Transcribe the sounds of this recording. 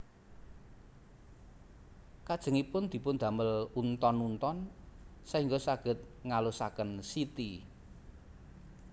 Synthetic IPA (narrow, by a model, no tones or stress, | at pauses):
kad̥ʒ̥ə̤ŋipʊnd̪̥i̤pʊnd̪̥ä̤məlunt̪ɔnunt̪ɔnsaiŋɡosaɡ̥ə̤t̪̚ | ŋalusakənsit̪i